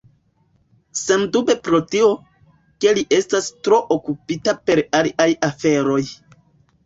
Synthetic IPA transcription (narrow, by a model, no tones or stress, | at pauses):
semdube̞pɾo̞tio̞ | ke̞liʔe̞stastɾo̞ʔokupitape̞ɾaliajiafe̞ɾo̞j